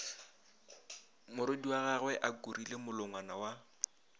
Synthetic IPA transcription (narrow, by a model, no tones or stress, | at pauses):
mʊɾʊdiwaɣaɣwɛʔakurilemʊlʊŋwanawa